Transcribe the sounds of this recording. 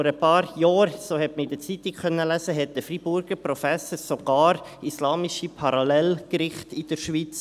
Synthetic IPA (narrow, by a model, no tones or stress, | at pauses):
ɔɾəpɑːɾjɑːɾsoːhɛtməɪd̥̪ət͡sit̪ikχœnːəlæsəɦɛt̚d̥̪əfribʊɾɡəɾprɔfɛsəsoɡ̥ɑːɾ | islɑːmiʃipʰɑɾɑlɛlkɾɪχtid̥əɾʃʋit͡s